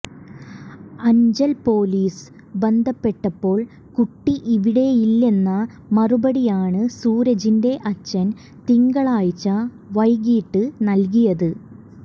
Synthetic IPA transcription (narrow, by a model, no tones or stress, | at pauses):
ɐɲd͡ʑɐlpo̞ːliːs | be̞nd̪ʱɐpːe̞ʈːɐpːo̞ːɭ | kuʈːiʔiʋiɽe̞jilːe̞nːɐ | mɐrubɐɽijaːɳɨsuːɾɐd͡ʑinde̞ʔɐt͡ɕːɐn | t̪iŋɡɐɭaːjit͡ɕːɐ | ʋɐjɡiːʈːɨnɐlk̬ijɐðɨ